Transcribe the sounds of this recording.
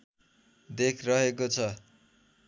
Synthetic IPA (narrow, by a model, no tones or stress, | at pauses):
d̪ekʰrʌɦekot͡sʰʌ